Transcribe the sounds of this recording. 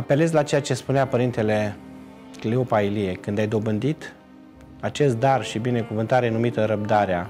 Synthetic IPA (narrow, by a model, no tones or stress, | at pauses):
ape̞le̞zʲlat͡ʃe̞jat͡ʃe̞spuneapəɾint̪e̞le̞ | kleopailie̞kɨnd̪ajd̪o̞bɨnd̪it̪ | at͡ʃe̞st̪̚d̪arʃibine̞kuvɨnt̪aɾe̞numit̪əɾəb̚d̪aɾea